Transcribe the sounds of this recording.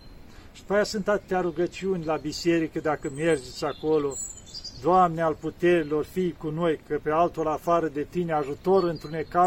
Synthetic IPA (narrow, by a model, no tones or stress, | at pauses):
ʃi̥pajasɨnt̪at̪ɨt̪ʲaɾuɡət͡ʃiunʲlabise̞ɾikəd̪akəme̞rd͡ʒe̞t̪sʲako̞lo̞ | d̪oamnealput̪e̞ɾilo̞rfijkuno̞jkəpe̞alt̪olafaɾəd̪e̞t̪ineaʒut̪o̞ɾɨnt̪ɾuneka